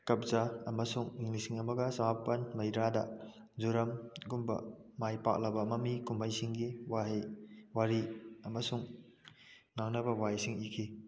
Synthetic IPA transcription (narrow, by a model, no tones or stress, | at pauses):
kɐp̚zaɐmɐsuŋiŋlisiŋɐmɐɡɐsɐmapɐnmɐjɾadɐ | zuɾɐmɡumbɐ̰majpa̰k̚lɐbɐmɐmikumbajsiŋɡiwaɦjwaɾiɐmɐsuŋ | ŋaŋnɐbɐwajsiŋikʰi